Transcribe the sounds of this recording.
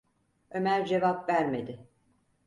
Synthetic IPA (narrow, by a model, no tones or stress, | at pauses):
ø̞mæɾd͡ʒe̞vapvæɾme̞d̪ɪ